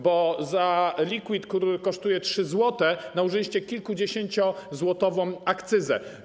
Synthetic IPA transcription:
bɔzalʲikwit̪kt̪uɾɘkɔʂt̪ujɛtʂɘzwɔt̪ɛnauʐɪlʲiɕt͡ɕɛkʲilkud͡ʑeɕeɲt͡ɕɔzwɔt̪ɔvɔ̃w̃akt̪sɘzɛ̰

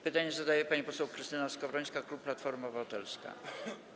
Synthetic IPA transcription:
pɘt̪aɲɛzad̪ajɛpaɲipɔsɛwkɾɘst̪ɘnaskɔvɾɔjskaklup̚ːlat̪fɔɾmɔvat̪ɛlska̰

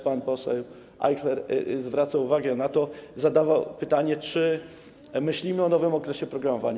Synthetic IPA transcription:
panpɔsɛw | ʔa̰jklɛɾzvɾat̪sauvaɡɛnat̪ɔzad̪avawpɘt̪aɲɛt͡ʂɘ | mɘɕlʲimɘɔnɔvɘmɔkɾɛɕɛpɾɔɡɾamɔva̰ɲa

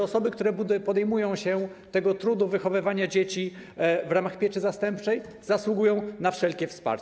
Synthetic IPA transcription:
ɔsɔbɘkt̪uɾɛpɔd̪ɛjmujɔ̃w̃ɕɛt̪ɛɡɔt̪ɾud̪uvɘxɔvɘvaɲad͡ʑet͡ɕivɾamaxpʲjet͡ʂɘzast̪ɛmpt͡ʂɛj | zaswuɡujɔ̃w̃nafʂɛlkʲɛfspa̰ɾt͡ɕ

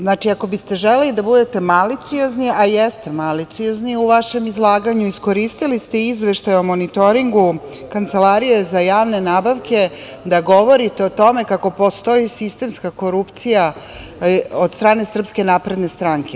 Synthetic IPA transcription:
znat͡ʃiako̞bist̪e̞ʒelelid̪abud̪e̞t̪e̞malit̪sio̞zniajest̪e̞malit̪sio̞zniuʋaʃe̞mizlˠaːɡaɲuisko̞ɾist̪ilist̪eizʋe̞ʃt̪ajomonit̪o̞ɾiŋɡu | kant̪se̞laɾijoezajaːʋne̞naːbaʋke̞ | d̪aɡo̞ʋo̞ɾit̪e̞ot̪o̞me̞kako̞po̞st̪o̞isist̪e̞mskako̞ɾupt̪sija | od̪st̪ɾaːne̞sr̩pske̞naːpɾe̞d̪ne̞st̪ɾaŋke̞

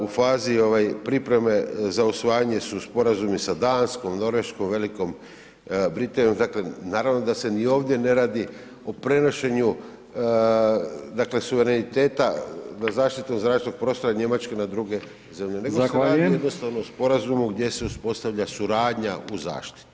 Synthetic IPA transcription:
ufaːzio̞ʋajpɾipɾe̞me̞zausʋajaɲe̞suspo̞ɾazumisad̪aːnsko̞mno̞ɾʋe̞ʃko̞mʋe̞liko̞m | bɾit̪anijo̞md̪aklenaːɾaʋno̞d̪ase̞nio̞ːʋd̪je̞ne̞ɾaːd̪i | o̞pɾe̞no̞ʃe̞ɲu | d̪akle̞suʋe̞ɾenit̪e̞ːt̪azazaːʃt̪it̪omzɾaːʃenoɡ̚pɾo̞ːst̪o̞ɾaɲe̞mat͡ʃkenad̪ɾuɡe̞ | ze̞mʎe̞ne̞ɡoseɾaːdijed̪no̞st̪aʋnoospo̞ɾazumuɡd̪je̞se̞uspo̞st̪aʋʎʲasuɾaːd̪ɲauza̰ːʃt̪i̥t̪u̥

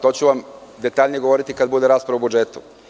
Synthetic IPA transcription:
t̪o̞ːt͡ɕuʋamd̪e̞t̪aːʎʲnijeɡo̞ʋo̞ɾit̪ikad̪bud̪eɾaːspɾaʋaobud͡ʒet̪u

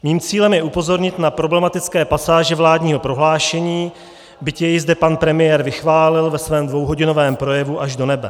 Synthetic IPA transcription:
miːmt͡siːlɛmjɛʔupo̞zo̞ɾɲɪt̪napɾo̞blɛmat̪ɪt͡skɛːpasaːʒɛvlaːdɲiːɦo̞pɾo̞ɦlaːʃɛɲiː | bɪcjɛjɪzdɛpanpɾɛmɪjɛːɾvɪxvaːlɪlvɛsvɛːmdvo̞wɦo̞ɟɪno̞vɛːmpɾo̞jɛvuʔaʒdo̞nɛbɛ

